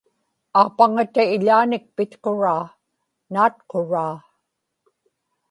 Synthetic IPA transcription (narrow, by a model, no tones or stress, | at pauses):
aːpaŋat̪aɪʎaːnɪk̚pɪt̪qoɻaː | naːt̪̚qoɻaː